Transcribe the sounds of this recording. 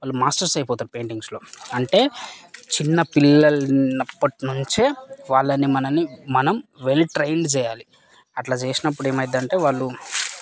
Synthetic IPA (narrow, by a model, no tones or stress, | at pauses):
ʋaːɭːumaːsʈɐɾsɐjpɔːt̪aːɾupe̞ːɳʈiŋɡslo̞ːɐɳʈe̞ːt͡ʃinːɐpilːɐlnɐpːɐʈinuɲt͡ʃeːʋaːɭːɐnimɐnɐnimɐnɐmʋelʈɾejɳɖt͡ʃɛːjaːli | ɐʈlaːt͡ʃeːsinɐp̬ːuɽeːmɐjd̪ɐɳʈe̞ːʋaːɭːu